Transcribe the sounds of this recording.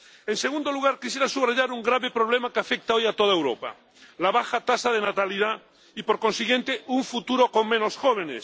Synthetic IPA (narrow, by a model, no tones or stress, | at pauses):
e̞nseɣũnd̪oluɣaɾkisje̞ɾasuβraʎaɾuŋɡɾaβepɾo̞β̞le̞makeafe̞k̚t̪ao̞jat̪o̞ð̞aewɾo̞̰pa̰ | laβaxat̪asaðe̞nat̪aliða | ipo̞ɾkõ̞nsiɣje̞nt̪euɱfut̪uɾo̞ko̞ŋmẽ̞no̞sxo̞β̞e̞nes